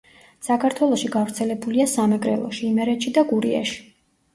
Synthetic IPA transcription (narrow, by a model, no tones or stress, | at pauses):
sakʰaɾt̪ʰwɛlˠɔʃiɡavɾt̪sʰɛlɛbuliasamɛɡɾɛ̰lˠɔ̰ʃiːmɛɾɛt̪ʃid̪aɡuɾiɛ̰ʃi̥